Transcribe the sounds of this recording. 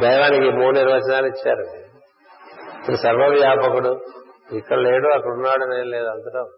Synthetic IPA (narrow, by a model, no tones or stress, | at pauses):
d̪ɐjʋaːnikimuːniɾʋɐt͡ʃɐnaːlit͡ʃːaːɾu | kɐusɐɾʋɐdjaːpɐkuɽuikːɐɽɐleːɽuɐkːɐɽunːaːɽunɐjleːd̪ɐnd̪ɐʈaː